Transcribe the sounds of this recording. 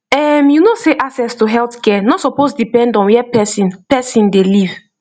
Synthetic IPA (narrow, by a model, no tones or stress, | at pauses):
ɛmjunoseʔasɛstuɦɛltkɛnɔtsɔpozdipɛ̃ndɔ̃nwɛpɛsĩnpɛsĩndeliv̥